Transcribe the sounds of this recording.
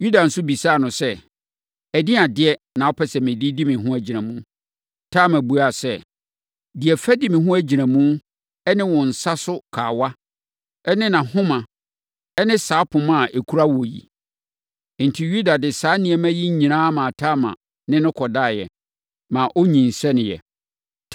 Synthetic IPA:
ju˦da˨n̩˨sʊ˦bi˨saː˦˨nʊ̃˨sɛ˦ | æ˨di˦a˨dɪ˦ɛ˦nã˨ɔ˦pʰɛ˦sɛ˨mɪ̃˨di˦di˦mɪ̃˨ɦʊ̃˦æ˨d͡ʑi˨nã˨mũ˦ | tʰaː˦˨mæ̃˨bu˨a˦˨sɛ˦˨ | dɪ˨ɛ˨fæ˦di˦mɪ̃˨ɦʊ̃˦æ˦d͡ʑi˨nã˨mũ˦ | ɛ˦nɪ̃˦wɔ̃˨n̩˨sa˦sʊ˦kʰaː˨wa˦ | ɛ˦nɪ̃˦nã˨hʊ̃˦mã˨ | ɛ˦nɪ̃˦saː˨˦pʰʊ̃˨mã˦˨ʔe˨kʰu˦ɾa˦wɔ˨jḭ˨ | n̩˨tʰi˨ju˦da˨dɪ˨saː˨˦nɪ̃˨ɛ˨mæ̃˦ji˦ɲ̩˦ɲĩ˨nãː˦mã˨tʰa˦mã̰˨ | nɪ̃˦nʊ̃˦kʰɔ˨da˦˨jɛ̰˨ | mã˨ʔo˦ɲĩ˨n̩˨sɛ˦nɪ̃˨jɛ̰˨

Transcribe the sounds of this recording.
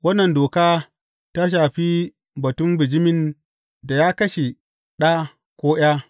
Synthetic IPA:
wɐ˦nːɐ˨ndoː˨kaː˦ | ta˦ʃ̬aː˨ɸiː˦ | bɐ˨tʊ˦mbɪ˨d͡ʒɪ˦mɪ˦n | da˨ja˦kɐ˦ʃe˨ | ɗa˦ | kʷoː˦j̰aː˦

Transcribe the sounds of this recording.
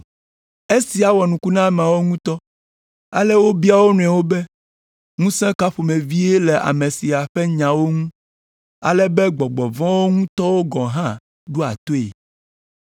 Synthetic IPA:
e˦si˨a˨wɔ˨nũ˨ku˦nã˦˨m˨a˨wo˦ŋũ˦t̪ɔ˦ | a̰˨lɛ˦wo˦bi˦a˦wo˦nũ˨˦ɛ̃˨wo˦bɛ˦ | ŋũ˦sɛ̃˦ka˦ɸo˨me˨vi˦e˦lɛ˨ʔa̰˨mẽ˨si˨a˨ɸɛ˦ɲã˨wo˦ŋũ˦ | a̰˨lɛ˦bɛ˦ɡ͡bɔ˨ɡ͡bɔ˨vɔ̃˦wo˦ŋũ˦t̪ɔ˦wo˦ɡɔ̃˨ɦã˦ | ɖu˦a̰˨t̪o˦ḛ˨

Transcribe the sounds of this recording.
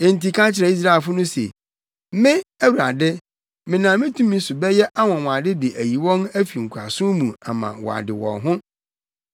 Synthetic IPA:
e˨n̩˨ti˨kʰã˦t͡ɕʰɪ˨ɾɛ˨i˦s̬ɾa˦ɛ˨fʊ˦nʊ̃˦sḛ˨ | mɪ̃˦æ˦wu˨ɾa˨dɪ˦ | mɪ̃˨nã˨mɪ̃˦tʰũ˦mĩ˦sʊ˨bɛ˦jɛ˦ʔa˦wɔ̃˨wɔ̃˨a˨dɪ˦dɪ˨ʔæ˨ji˨wɔ̃˦næ˦fi˨ŋ̩˨kʰʷu˨a̰˨sʊ̃˦mũ˨a˨mã̰˨wɔ̰˨a̰˨dɪ˨wɔ̰̃˨ɦʊ̃˦

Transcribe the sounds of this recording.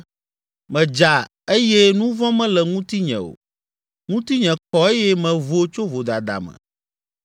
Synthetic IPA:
mɛ̃˨d͡ʒa˨ | e˦jɛ˦nũ˦vɔ̃˦mɛ̃˦lɛ˨ŋũ˦t̪i˦ɲɛ̰̃˨o̰˨ | ŋũ˦t̪i˦ɲɛ̃˨kɔ˨e˦jɛ˦mɛ̃˨vo˦t͡ʃo˦vo˨d̪a˨d̪a̰˨mɛ̰̃˨

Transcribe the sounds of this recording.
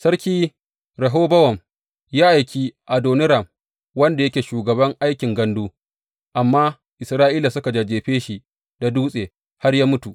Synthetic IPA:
sɐ˦ɾkʲiː˦ | ɾɐ˨ɦoː˦bɐ˦wɐ˨m | jaː˦ʔa˨jkʲiː˦ʔa˨doː˨nɪ˦ɾɐ˨m | wɐ˦nda˨jɐ˦kʲeː˨ʃuː˨ɡɐ˨bɐ˦ŋʔa˦jkʲɪ˨ŋɡɐ˦nduː˦ | ʔa˨mːaː˦ | ʔɪ˨sɾaː˦ʔiː˦la˨sʊ˦ka˨d͡ʒa˨d͡ʒeː˨ɸeː˦ʃi˨ | da˨duː˦sʼeː˨ | ha˦rjaː˦mʊ˦tu˨ʔ

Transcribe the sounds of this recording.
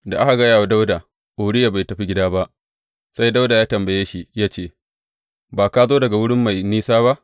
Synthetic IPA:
da˨ʔa˦ka˨ɡɐ˦jaː˨wa˦da˦wdaː˨ | ʔoː˨ɽɪ˦ja˨ba˨jtɐ˨ɸi˦ɡʲɪ˦daː˦ba˦ʔ | sa˦jda˦wda˨jaː˦tɐ˨mbɐ˨jeː˦ʃi˦jaː˦t͡ʃeː˦˨ | baː˨ka˦zoː˦dɐ˨ɡa˨wʊ˦ɽɪ˦mːa˨jniː˦saː˦βa˦ʔ

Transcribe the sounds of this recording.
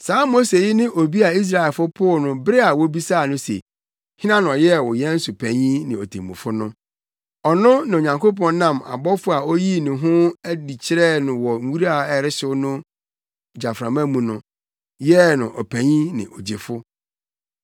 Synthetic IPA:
saː˨˦mo˦se˨jɪ˦nɪ̃˦ʔo˨bi˦a˨i˦s̬ɾa˨ɛ˨fʊ˦pʰʊ˦˨nʊ̃˦bɾɪ˦a˨wo˦bi˦sa˦˨nʊ̃˦sḛ˨ | hɪ̃˦nã˦ñ˨ɔ̃˨jɛ˦˨wʊ˨jɛ˦n̩˦sʊ˨pʰæ̃˨ɲĩ˦nɪ̃˨o˨tʰḛ̃˨mũ˨fʊ˦nʊ̃˦ | ɔ˨nʊ̃˦nɪ̃˨o˨ɲã˨ŋkʰo˦p̬ɔ̃˦˨n˦nã˦˨ma̰˨bɔ˦fʊ˦a˨o˦ji˦nʊ̃˨ɦʊ̃˦æ˦di˨t͡ɕʰɪ˦ɾɛ˦nʊ̃˨wɔ˨ŋ̩˦wu˦ɾa˦a˨ɛ˦ɾɪ˦sʊ˦nʊ̃˦ | d͡ʑa˨fɾã˨mã˦mũ˨nʊ̃˦ | jɛ˦nʊ̃˨ʔɔ˨pʰæ̃˨ɲĩ˦nɪ̰̃˨ʔo˨d͡ʑe˨fʊ˦

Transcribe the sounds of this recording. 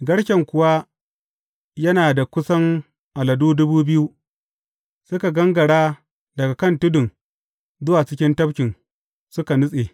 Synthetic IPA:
ɡɐ˦ɽʃɐ˨ŋkʷʊ˨wa˦ | jɐ˦naː˨da˨kʷʊ˦sɐ˦ŋ | ʔa˨lɐ˨duː˦dʊ˦buː˦bɪ˦ju˦ | sʊ˦ka˨ɡɐ˦ŋɡɐ˨ɽaː˦ | dɐ˨ɡa˨kɐ˦˨ntʊ˦dʊ˨ŋ | zʊ˦waː˨t͡ʃɪ˦kʲɪ˦ntɐ˦bkʲɪ˨n | sʊ˦ka˨nʊ˦sʼeː˨

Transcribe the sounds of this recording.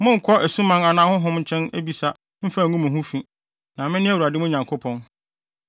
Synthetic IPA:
mʊ̃˦ŋ̩˨kʰɔ˦ʔæ˨sũ˦mã˦na˨nãː˦hʊ̃˦ɦʊ̃˦mɲ̩˨˦t͡ɕʰɛ̃˦næ˦bi˨sa˦ | m̩˦fa˨ŋũ˦mʊ̃˨ɦũ˦fĩ˦ | nã˨mɪ̃˦nɪ̃˦wu˨a˨dɪ˦mʊ̃˦ɲã˨ŋkʰʊ˦pʰɔ̃˦n

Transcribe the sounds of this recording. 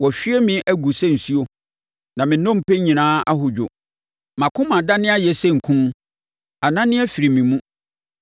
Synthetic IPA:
wɔ˨ɕᶣɪ˦ɛ˦mɪ̃˨ʔæ˦ɡu˨sɛ˦n̩˨su˦o˨ | nã˨mɪ̃˨nɔ̃˦m˨pɛ˦ɲĩ˨nãː˦a˦ɦʊ˨d͡ʑᶣo̰˨ | mã˨kʰʊ̃˦mã˨da˦nɪ̃˦a˦jɛ˨sɛ̃˦ŋ̩˨kʰũ˦n˦ | a˨nã˦nɪ̃˦ɛ˦fi˨ɾi˨mĩ˨mũ˦

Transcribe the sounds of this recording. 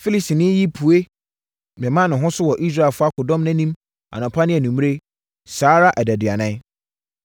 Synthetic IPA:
fi˦li˨sti˨nɪ̃˦ji˦pʰu˨e˦ | mɪ̃˨mã˦nʊ̃˨ɦʊ̃˦sʊ˦wɔ˨ʔi˦s̬ɾa˦˨lfʊ˦a˦kʰʊ˨dɔ̃˦m˦nã˦nĩ˦m | a̰˨nʊ̃˨pʰa˦nɪ̃˦æ˨nũ˨m̃˦e˦ | saː˨˦ɾa˦ʔæ˨dæ˨dɪ˨a˨nã˦

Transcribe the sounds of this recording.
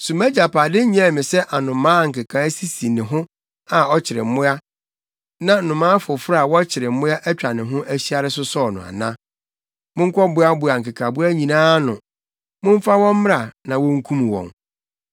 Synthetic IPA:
sũ˨mæ˦d͡ʑa˨pʰa˨dɪ˦ɲ˦a˦˨mɪ̃˨sɛ˦ʔa˨nʊ̃˨mãː˦˨ŋ̩˨kɪ˨kʰã˨˦si˦si˨nɪ̃˨ɦʊ̃˦ | a˨ɔ˦t͡ɕʰɪ˨ɾɪ̰˨m̩˨mʊ̃˦a˦ | nã˦n̩˨nʊ̃˨mãː˦fʊ˨fɾa˦a˨wɔ˦t͡ɕʰɪ˨ɾɪ˨m̩˦mʊ̃˦a˦ʔæ˦t͡ɕᶣa˨nɪ̃˨ɦʊ̃˦ʔæ˦ɕi˦a˦ɾɪ˦sʊ˦sɔː˦˨nʊ̃˨a̰˨nã˦ | mʊ̃˦ŋ̩˦kʰɔ˦bʊ˦a˦bʊ˨a˨ŋ̩kɪ˨kʰa˨bʊ˦æ˦ɲĩ˨nãː˦nʊ̰̃˨ | mʊ̃˦m˦fa˦wɔ̃˦m˦m˦a˨nã˨wɔ̃˦ŋ̩˦kʰũ˦mũ˨wɔ̰̃˨n

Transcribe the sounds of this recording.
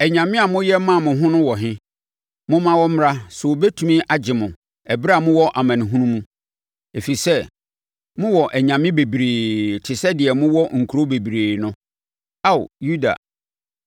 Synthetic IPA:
ɛ˨ɲã˨mɪ̃˦a˨mʊ̃˦jɛ˦mã˦˨mʊ̃˨ɦʊ̃˦nʊ̃˦wɔ˨ɦɪ̃˦ | mʊ̃˦mã˦wɔ˦m̩˦mɾa˦sʊ˨o˨bɛ˦tʰu˨mĩ˦ʔa˨d͡ʑɪ˨mʊ̃˨ | ɛ˨ba˦˨mʊ̃˦wɔ˦ʔa˨mã˨nɪ̃˨ɦũ˦nũ˦mũ˦ | e˨fi˨sɛ˦ | mʊ̃˦wɔ˨ʔɛ˨ɲã˨mɪ̃˦be˨bɾeː˨tʰɪ˨sɛ˦dɪ˨ɛ˨mʊ̃˦wɔ˦ŋ̩˨kʰu˨ɾo˦be˨bi˨ɾeː˨nʊ̃˦ | a˦˨w̰ju˦da̰˨

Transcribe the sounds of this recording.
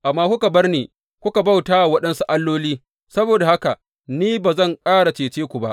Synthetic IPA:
ʔa˨mːaː˦kʷʊ˦ka˨bɐ˦rneː˨ | kʷʊ˦ka˨ba˦˨wtaː˦˨wɐ˦ɗɐ˦nsu˦ʔa˦lːoː˦liː˦ | sɐ˦boː˨da˨ha˦ka˨ | niː˦baː˨zɐ˦˨ŋkʼaː˦ɽa˨t͡ʃeː˨t͡ʃeː˦kʷu˨ba̰˦ʔ

